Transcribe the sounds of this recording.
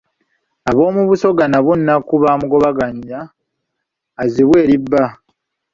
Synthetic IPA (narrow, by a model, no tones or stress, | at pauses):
aβo̞ːmuβuso̞ɡanaβunːakuβamuɡo̞βaɡaɲːa | ziβwe̞ːɾibːa